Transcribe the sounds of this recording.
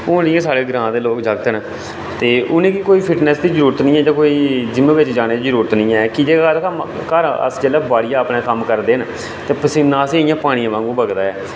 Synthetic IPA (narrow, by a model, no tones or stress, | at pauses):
oːnɪ̃ːãːsaːɽeːɡɾãːd̪eːloːkd͡ʒaːɡt̪ənː | t̪eːʔʊnẽːkikoːiːpʰɪʈnɛːsd̪iːzəɾuːɾət̪nĩːɛːd͡ʒãːkoːiːd͡ʒɪmẽːʋɪt͡ʃd͡ʒaːñeːd̪id͡ʒəɾuːɾət̪nĩːɛːkɪd͡ʒeːəɾəmkəɾə̰sd͡ʒəːlɛːbaːɽijãːəpneːkəmkəɾd̪eːn | t̪eːpəsɪnːãːsẽːɪjãːpaːɽ̃ĩjãːʋãːŋɡũːbəɡd̪aːɛː